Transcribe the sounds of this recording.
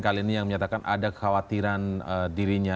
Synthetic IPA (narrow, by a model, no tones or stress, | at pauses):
kaliːnijaŋməɲat̪akanʔa̰dakəxawat̪iɾanədiɾiɲa